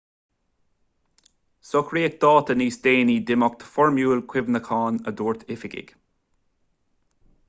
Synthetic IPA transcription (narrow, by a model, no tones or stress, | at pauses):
sɔkʰɹiːɛk̚d̪̥ɑːt̪əniːsd̪eːniːd̪ɪmɔk̚t̪ʰə̥fɔɹmjuːlkʰwɪvnəkʰɑːnəd̪uːɹt̪ʰɪfɪɡɪ̰ɡ̥